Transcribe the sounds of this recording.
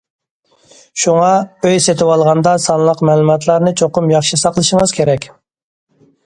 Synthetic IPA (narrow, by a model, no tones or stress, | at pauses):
ʃuŋɑøjset̪ʰɪwɑlˠʁɑnd̪ɑsɑnlˠəqmɛːlˠumɑt̪ʰlˠɑɾnɨt͡ʃʰoqʊmjɑχʃisɑqlˠɨʃɪŋəz̥kʲʰeɾɛkʲ